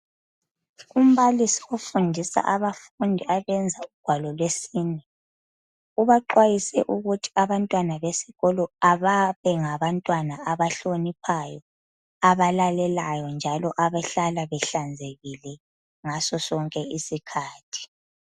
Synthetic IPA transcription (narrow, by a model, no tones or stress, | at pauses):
um̩βalisiofundʱisa̰ʔaβaf | undʱiaβɛnd͡zʱauɡ̥ʱwalɔlwesiːnɛ | uβaǃwajisɛʔuɣutʰi̥aβantʼwanaβesiɣɔlɔaβaβɛŋaβantʼwanaaβaɬonipʰajɔ | aβalalɛlajɔnd͡ʒʱalɔʔaβaɬalaβɛɬand͡zʱeɣilɛ | ŋasɔsɔŋkʼɛisikʰaːtʰi̥